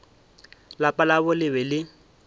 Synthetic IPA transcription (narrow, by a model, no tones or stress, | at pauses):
lapʼalabʊlɪbɛlɪ